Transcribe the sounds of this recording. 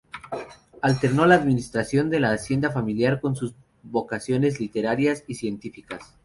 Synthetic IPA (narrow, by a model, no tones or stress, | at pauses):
alt̪e̞ɾno̞laːðminist̪ɾasjo̞nd̪e̞laːsje̞nd̪afamiljaɾko̞nsuz | βo̞kasjo̞ne̞zlit̪e̞ɾaɾjasisje̞nt̪ifikas